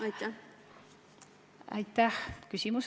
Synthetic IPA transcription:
ɑjt̪ːæ | ɑ̰jt̪ːæhkysimus

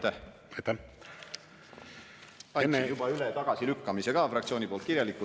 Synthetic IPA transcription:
t̪ːæh | ɑjt̪ːæ | ɑjnːejub̥ɑylet̪ɑɡ̥ɑsilykːɑmise̞ɡ̥ɑfrɑkt̪sʲioːnipolt̪̚kiɾjɑlikːu

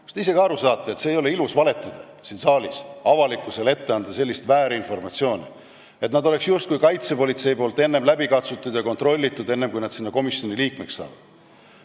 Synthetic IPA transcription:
st̪eis̬e̞ɡiɑɾusɑːt̪ˑːeet̪seːjo̞le̞ilusvɑle̞t̪ːˑɑd̪̥ɑ | sinsɑːlʲisɑvɑlikːˑusele̞t̪ːe̞ɑnd̪̥ɑse̞lːist̪væːɾeinfo̞rmɑt̪sio̞ːnʲḭ | e̞t̪nɑd̪o̞le̞ksjust̪̚kujkɑjt̪se̞po̞lʲit̪se̞jpo̞ːlt̪ːe̞nːe̞mlæbikɑt̪sut̪ːˑud̪̥jɑko̞nt̪ro̞lʲːit̪ːˑud̪e̞nːemkujnɑd̪̥sinːɑko̞misjo̞niliːkmeksːɑ̰ːvɑ̰d̪̥

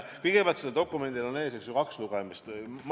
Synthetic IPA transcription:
kɯjɡ̥epʲælt̪seled̪o̞kˑːume̞nd̪̥ilone̞ːseksjokɑksluɡ̥ɛmist̪m

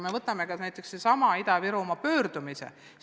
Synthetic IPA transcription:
me̞vɤt̪ːˑɑmekɑnæjt̪ːˑe̞ksesɑmɑid̪ɑviɾumɑpø̞ːrd̪umisḛ

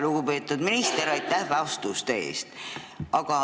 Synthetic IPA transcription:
luɡ̥upe̞ːt̪ːˑud̪minist̪eɾɑjt̪ːæhveɑost̪ust̪e̞̰ːst̪ | ɑɡ̥ɑ

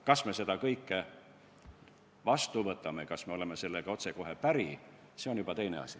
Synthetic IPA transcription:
kɑsme̞se̞d̪ɑkɤjkːe | vɑst̪uvɤt̪ːˑɑme̞kɑsme̞o̞le̞me̞se̞lːeɡ̥ɑo̞t̪se̞ko̞ɦe̞pæɾi | se̞o̞njubɑt̪e̞jne̞̰ɑ̰si

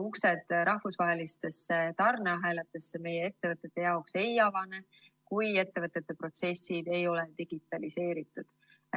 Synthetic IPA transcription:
uksed̪̥ɾɑhvusvɑɦe̞list̪e̞sːe̞t̪ɑrneɑɦæːlɑt̪ːˑesːeme̞jee̞t̪ːe̞vɤt̪ːˑe̞t̪ːe̞jɑokse̞jɑvɑne | kuje̞t̪ːe̞vɤt̪ˑːet̪ːˑe̞pro̞t̪se̞sːid̪̥e̞jo̞le̞d̪iɡ̥it̪ːˑɑlise̞ːɾit̪ːˑud̪̥

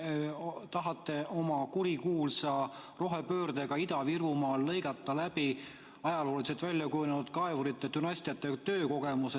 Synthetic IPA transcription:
t̪ɑɦɑt̪ːe̞ʔo̞mɑkuɾikuːlsɑ | ro̞ɦepøːrd̪̥eɡɑid̪ɑvirvumɑːlːɤ̞jɡ̥ɑt̪ːˑɑlæb̥i | ɑjɑlo̞ːliset̪vælʲːjɑkujunenud̪̥kɑevuɾit̪ːˑet̪ynɑsʲt̪ijɑt̪ːˑet̪ø̞ːko̞ɡ̥e̞muse

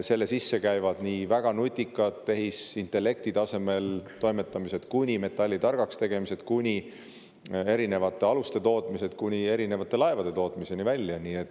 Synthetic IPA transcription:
se̞lːesisːe̞kæjvɑd̪̥nivæɡ̥ɑnut̪ʲːˑikːˑɑt̪ːe̞ɦisint̪ˑe̞lːe̞kt̪it̪ɑse̞me̞lt̪o̞jme̞t̪ːˑɑmise̞t̪kunʲime̞t̪ːˑɑlʲːit̪ɑrɡ̥ɑkst̪e̞ɡ̥e̞mise̞t̪kunʲi | e̞ɾine̞vɑt̪ˑːe̞ɑlust̪e̞t̪o̞ːt̪ˑmise̞d̪̥kunʲie̞ɾine̞vɑt̪ˑːe̞lɑevɑd̪̥e̞t̪o̞ːt̪ˑmise̞nivælʲːjɑniːe̞t̪ːˑ

